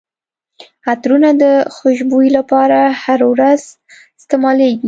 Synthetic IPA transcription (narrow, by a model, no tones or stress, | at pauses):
at̪ɾunad̪əxʊʃbujilapɑɾahaɾwɾaz | ɪst̪ɪmɑleɡi